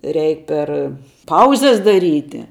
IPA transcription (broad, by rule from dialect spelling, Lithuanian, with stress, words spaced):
ˈrʲɛɪk ˈpʲɛr ˈpɐʊzʲɛs dɐˈrʲiːtʲɪ